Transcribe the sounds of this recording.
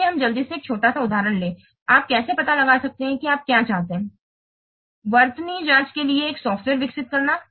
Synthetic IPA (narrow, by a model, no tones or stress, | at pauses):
eɦɐmd͡ʒɐld̪iseːk̚t͡ʃʰoːʈasaʊd̪ʱaːɾəɳleː | aːp̚kɛːsepɐt̪alɐɡaːsɐk̚t̪eɦɛ̃kiaːp̚kjat͡ʃaːɦt̪ẽɦɛ̃ː | ʋɐɾt̪nid͡ʒãːt͡ʃkelieːksɔːfʈʋeːɾʋɪksɪt̪̚kɐɾnaː